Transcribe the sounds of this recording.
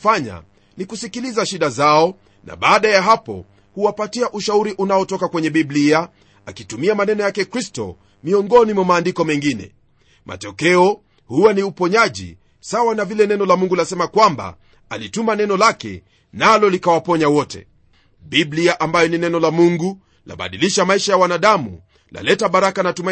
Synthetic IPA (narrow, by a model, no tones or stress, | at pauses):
faɲa̰ | nikusikilizaʃiɗazaɔ | na̰ɓaːɗajaɦapɔ̰ | huwapatiaʔuʃauɾiʔunaɔtɔkakwɛɲɛɓiblia | akitumiamanɛnɔjakɛkɾistɔ̰ | miɔŋɡɔnimwamaːndikɔmɛŋɡinɛ̰ | mʔa̰tɔkɛɔ | huwaniupɔɲaʄḭ | sawanavilɛnɛnɔlamuŋɡulasɛmakwamba̰ | alitumanɛnɔlakɛ̰ | nalɔlikawapɔɲawɔtɛ̰ | ɓibliaʔambajɔninɛnɔlamuŋɡu | la̰ɓa̰ɗiliʃamaiʃajawanaɗamṵ | la̰lɛtaɓaɾakanatuma